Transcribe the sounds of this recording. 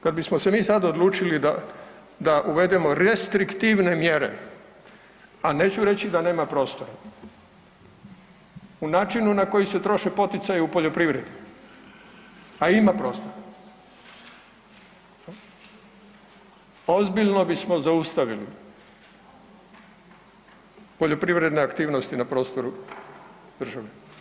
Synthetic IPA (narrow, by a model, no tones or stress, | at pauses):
kad̪bismose̞miːsad̪od̪luːt͡ʃilid̪a | d̪aʔuʋe̞d̪emo̞ɾest̪ɾikt̪iʋne̞mjeɾḛ | aneːt͡ɕuɾe̞t͡ɕid̪ane̞ːmapɾo̞ːst̪o̞ɾa | unaːt͡ʃinunako̞jise̞t̪ɾo̞ʃepo̞t̪it̪sajeupo̞ʎo̞pɾiʋɾe̞d̪u | aimapɾo̞ːst̪oɾa | ozbiʎno̞bismo̞zaust̪aʋilḭ | po̞ʎo̞pɾiʋɾe̞d̪neakt̪iːʋnost̪inapɾo̞ːst̪o̞ɾu | d̪r̩ʒaʋe